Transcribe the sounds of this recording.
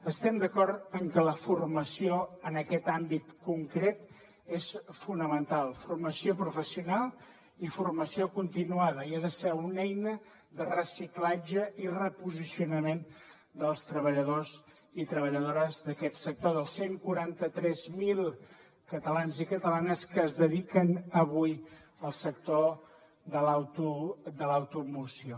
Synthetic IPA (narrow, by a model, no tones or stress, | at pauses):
əst̪ɛmd̪əkɔɾt̪əŋkələfurməsioənəkɛt̪ambit̪kuŋkɾet̪ | esfunəmənt̪alˠfurməsiopɾufəsiunalˠ | ifurməsiokunt̪inuaðəiaðəsɛunɛjnə | ðərəsiklad͡ʒəirəpuzisiunəmen | d̪əlˠst̪ɾəβəʎəðoz | it̪ɾəβəʎəðoɾəzðəkɛt̪sək̚t̪oðəlˠseŋkuɾant̪ət̪ɾɛzmilˠ | kət̪əlanzikət̪əlanəskəːzðəðikənəβuj | əlˠsək̚t̪o | ðəlawt̪ud̪ələwt̪umusio